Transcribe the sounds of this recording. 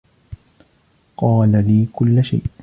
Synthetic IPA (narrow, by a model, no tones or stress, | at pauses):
qɑːlaliːkʊlːaʃa̰jʔ